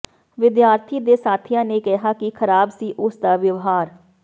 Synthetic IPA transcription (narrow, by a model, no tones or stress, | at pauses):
ʋɪd̪jaːɾt̪ʰiːd̪eːsaːt̪ʰɪjãːneːkɛɦaːkikʰəɾaːbsiːʔʊsd̪aːʋjəʋɦaːɾ